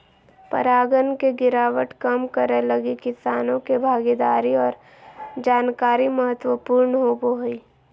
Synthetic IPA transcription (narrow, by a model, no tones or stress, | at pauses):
pə̰ɾaːɡənkeɡɪɾaːʋəʈkəmkəɾelɐɡikɪsaːnõkebʱaːɡid̪aːɾiɔːɾ | d͡ʒaːnkaːɾiməɦət̪wəpuːɾnɦoːboɦoiː